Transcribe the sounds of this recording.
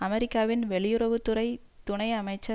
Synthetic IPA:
ɐmɛɾɪkːaːʋɪnʋɛɭɪjɯɾɐʋɯt̪ːɯɾɐɪ | t̪ʊɳɐɪɐmɐɪt͡ʃːɐ

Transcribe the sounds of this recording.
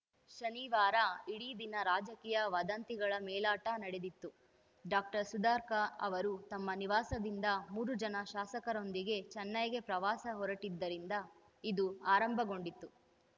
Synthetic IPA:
ʃɐniːʋaːɾɐiɽiːd̪inɐɾaːd͡ʒɐkiːjɐʋɐd̪ɐnt̪iɡɐɭɐmɛːlaːʈɐnɐɽed̪it̪ːu | ɖaːk̚ʈɐɾsud̪aːɾkɐɐ̰ʋɐɾut̪ɐmːɐniʋaːsɐd̪ind̪ɐmuːɾud͡ʒɐnɐʃaːsɐkɐɾo̞nd̪iɡe̞t͡ʃɛnːɐjɡe̞pɾɐʋaːsɐɦɔɾɐʈid̪ːɐɾind̪ɐ | id̪uaːɾɐmbʱɐɡo̞ɳɖit̪ːu

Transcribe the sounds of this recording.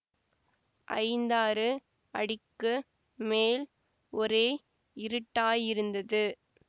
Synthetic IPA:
ʔɐ̰ɪnd̪aːɾɯ | ɐɽɪkːɯ | meːl | ɔɾeː | ɪɾɯʈːaːjɪɾɯnd̪ɐðɯ

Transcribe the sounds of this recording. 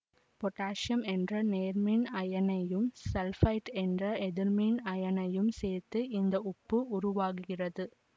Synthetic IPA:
pɔʈːaːʂjɐmɛndrɐneːɾminɐjɐnɐjɯmsɛlfɐɪʈɛndrɐɛðɪɾminɐjɐnɐjɯmseːɾt̪ːɯɪnd̪ɐʔʊpːɯʊɾʊʋaːɣɯɣɪrɐðɯ

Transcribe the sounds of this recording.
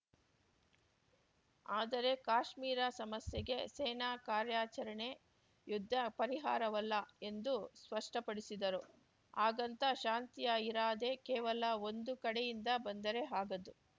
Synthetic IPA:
aːd̪ɐɾe̞kaːʂmiːɾɐsɐmɐsjɛɡe̞seːnaːkaːɾjaːt͡ʃɐɾɐɳe̞ | jud̪ʱːɐpɐɾiɦaːɾɐʋɐlːɐe̞nd̪uspɐʂʈɐpɐɽisid̪ɐɾu | aːɡɐnt̪ɐʃaːnt̪ijɐiɾaːd̪e̞kɛːʋɐlɐo̞nd̪ukɐɽejind̪ɐbɐnd̪ɐɾe̞ɦaːɡɐd̪u

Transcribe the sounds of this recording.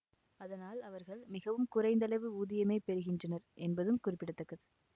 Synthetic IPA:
ɐðɐnaːlɐʋɐɾɣɐɭmɪɣɐʋɯmkʊrɐɪnd̪ɐlɐɪʋɯuːðɪjɐmeːpɛɾɯɣɪndrɐnɐɾʔɛnbɐðɯmkʊrɪpːɪɽɐt̪ːɐkːɐðɯ

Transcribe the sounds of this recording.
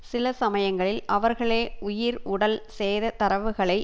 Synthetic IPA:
sɪlɐsɐmɐjɐŋɡɐɭɪlɐʋɐɾɣɐɭeːʔʊjɪɾʊɽɐlseːðɐt̪ɐɾɐʋɯɣɐɭɐɪ

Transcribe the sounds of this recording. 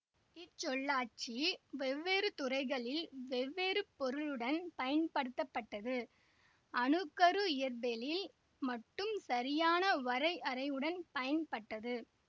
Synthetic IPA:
ɪt͡ʃːɔɭːaːt͡ʃiʋɛʋːeːɾɯt̪ʊrɐɪɣɐɭɪlʋɛʋːeːɾɯpːɔɾɯɭɯɽɐnpɐjɐnpɐɽɯt̪ːɐpːɐʈːɐðɯ | ɐnɯkːɐɾɯɪjɐɾbelɪl | mɐʈːɯmsɐɾɪjaːnɐʋɐɾɐɪʔɐɾɐɪɯɽɐnpɐjɐnpɐʈːɐðɯ

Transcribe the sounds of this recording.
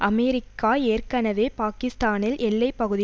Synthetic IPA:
ʔɐmɛɾɪkːaːeːrkɐnɐʋeːpaːkɪst̪aːnɪlʔɛlːɐɪpːɐɣɯðɪ

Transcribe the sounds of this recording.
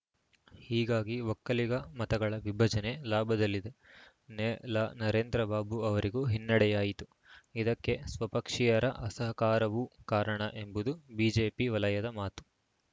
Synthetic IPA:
hiːɡaːɡiʋɔkːɐliɡɐmɐt̪ɐɡɐɭɐʋibʱɐd͡ʒɐne̞laːbʱɐd̪ɐlːid̪e | nelanɐɾe̞ːnd̪ɾɐbaːbuɐʋɐɾiɡuːɦinːɐɽɛjaːjit̪u | id̪ɐkːe̞sʋɐpɐkʂijɐɾɐ̰ʔɐsɐɦɐkaːɾɐʋukaːɾɐɳɐʔe̞mbud̪ubiːd͡ʒeːpiʋɐlɐjɐd̪ɐmaːt̪u̥

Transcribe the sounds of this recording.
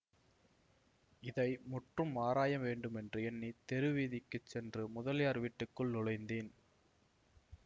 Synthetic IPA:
ɪðɐɪmʊʈrɯmːaːɾaːjɐmʋeːɳɖɯmɛndrɯɛnːit̪ɛɾɯʋiːðɪkːɯt͡ʃsɛndrɯmʊðɐljaːɾʋiːʈːɯkːɯɭnʊɻɐɪnd̪eːn

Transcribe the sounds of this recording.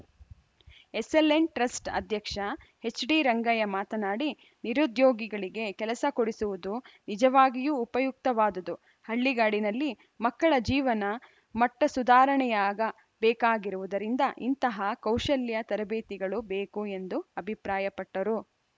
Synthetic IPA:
eselːeɳʈɾɐsʈɐ̰d̪ʱjɐkʂɐ | he̞t͡ʃːɖiːɾɐŋɡɐjɐmaːt̪ɐnaːɽi | niɾud̪joːɡiɡɐɭiɡe̞kɛlɐsɐkoɽisuʋud̪unid͡ʒɐʋaːɡijuːpɐjuk̚t̪ɐʋaːd̪ɐd̪u | hɐɭːiɡaːɽinɐlːi | mɐkːɐɭɐd͡ʒiːʋɐnɐ | mɐʈːɐsud̪aːɾɐɳɛjaːɡɐ | bɛːkaːɡiɾuʋud̪ɐɾind̪ɐʔḭnt̪ɐɦɐkɐwʃɐljɐt̪ɐɾɐbeːt̪iɡɐɭubeːkue̞nd̪uɐbʱipɾaːjɐpɐʈːɐɾu

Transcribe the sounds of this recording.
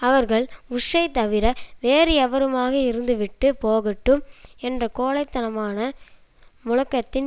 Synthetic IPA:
ɐʋɐɾɣɐɭʊʂɐɪt̪ɐʋɪɾɐʋeːɾɪɐʋɐɾɯmaːɣɐɪɾɯnd̪ɯʋɪʈːɯpoːɣɐʈːɯmɛndrɐkoːlɐɪt̪ːɐnɐmaːnɐ | mʊɻɐkːɐt̪ːɪn

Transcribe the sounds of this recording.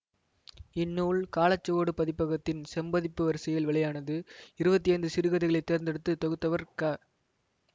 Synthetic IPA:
ɪnːuːɭkaːlɐt͡ʃːɐɣoːɽɯpɐðɪpːɐɣɐt̪ːɪnsɐmbɐðɪpːɯʋɐɾsɐjɪlʋɛɭɐjaːnɐðɯɪɾɯbɐt̪ːɪjɐɪnd̪ɯsɪɾɯɣɐðɪɣɐɭɐɪt̪ːeːɾnd̪ɛɽɯt̪ːɯt̪ɐɣɯt̪ːɐʋɐɾkaː

